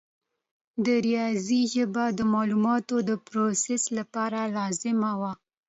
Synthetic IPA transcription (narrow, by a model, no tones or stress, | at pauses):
d̪əɾijɑziʒəbad̪əmɑlumɑt̪od̪əpɾoseslapɑɾalɑzɪmawa